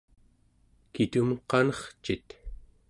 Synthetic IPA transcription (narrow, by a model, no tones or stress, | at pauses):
kit̪umqɑnʌχt͡ʃit̪